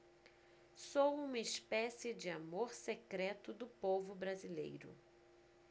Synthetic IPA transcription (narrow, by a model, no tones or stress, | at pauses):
sowũmɐɪspɛsɪd͡ʒɪamoɾsekɾɛt̪ʊd̪ʊpovʊbɾazilḛjɾʊ̰